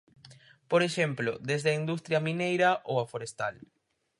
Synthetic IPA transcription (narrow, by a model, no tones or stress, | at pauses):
poɾeʃemplod̪ezðeɐind̪ust̪ɾjɐmĩnejɾɐʔowɐfoɾest̪al